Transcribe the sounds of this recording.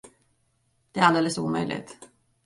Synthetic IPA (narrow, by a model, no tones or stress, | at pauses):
d̪̥ɛæɾald̪eːləsuːmœ̰jlʔɪ̰ɡt̪